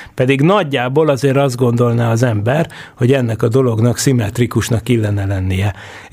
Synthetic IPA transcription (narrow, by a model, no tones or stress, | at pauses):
pɛd̪iɡnɒɟːaːboːlɒzeːɾɒzd̪ɡo̞nd̪o̞lnaɒzɛmbɛrho̞ɟɛnːɛkɒd̪o̞lo̞ɡnɒksimɛt̪rikuʃnɒkːilːɛnɛlɛnːijɛ